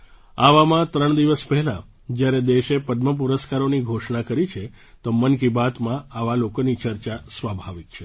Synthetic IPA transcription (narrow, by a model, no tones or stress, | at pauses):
aʋamãt̪ɾəɳ̃d̪iʋəspɛɦɛlã̰ | d͡ʒjaɾed̪eʃepəd̪məp̬uɾəskaɾoniɡʱoʃɳakəɾit͡ʃʰe | t̪omənk̬ibat̪mãaʋalokonit͡ʃəɾt͡ʃasʋabʱaʋik̚t͡ʃʰe